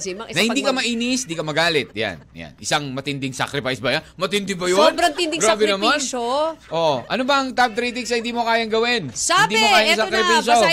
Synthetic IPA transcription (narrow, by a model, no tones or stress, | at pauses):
mɐɪnɐhɪnd̪iːkɐmɐʔiːnɪsnd̪iːkɐmɐɡaːlɪt̪̚ja̰nja̰nʔɪsaŋmɐt̪ɪnd̪ɪŋsa̰kɾɪpajsbɐjamɐt̪ɪnd̪ɪbɐjoobɾɐŋt̪ɪnd̪ɪŋɡɾaːbɛnɐmanoʔoʔɐnobɐʔɐŋt̪ap̚t̪ɾiːt̪ɪŋsɐhɪnd̪iːmokaːjɐŋɡɐwɛnɪd̪iːmokaːjɐŋsakɾɪfiso